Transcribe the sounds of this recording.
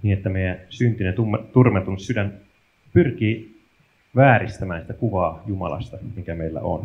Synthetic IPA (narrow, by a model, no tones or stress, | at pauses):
niːnet̪ːæmejænsynt̪inet̪umt̪urmet̪unssydæn | pyrk̟iː | ʋæːɾist̪æmæːnsi̥t̪ækuʋɑːjumɑ̰lɑ̰st̪ɑmikæmejlːæ̰ʔo̰n